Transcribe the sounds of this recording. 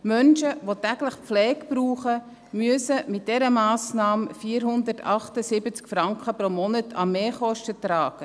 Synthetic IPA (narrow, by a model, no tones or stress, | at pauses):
mœnʃəʋotæɡləχp͡flɛːkpɾuːχə | myəsəmɪt̚d̥ɛɾəmɑːsnɑːmfiːɾɦʊndətʰɑχtəsɪbət͡skfɾɑŋkχəpɾomɔnətʰɑmeːχɔʃtətɾɑːɡ̥ə